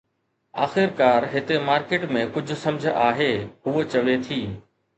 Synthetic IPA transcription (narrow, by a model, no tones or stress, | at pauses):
aːxɪɾkaːɾɦɪt̪emaːɾkeːʈmẽkʊd͡ʑʱʊ̆sɐ̃md͡ʑʱə̆ʔaːɦeːɦuet͡ɕɐʋet̪ʰiː